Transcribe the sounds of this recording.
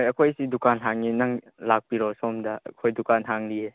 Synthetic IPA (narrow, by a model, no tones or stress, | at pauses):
jɐkʰojsidukanɦaŋinɐŋ | lak̚piɾɔsɔmdɐ̰ːkʰojdukanɦaŋlie